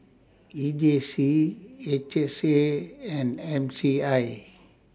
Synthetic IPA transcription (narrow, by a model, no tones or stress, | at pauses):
id͡ʒesiet͡ʃeseɛ̃nɖɛ̃msiai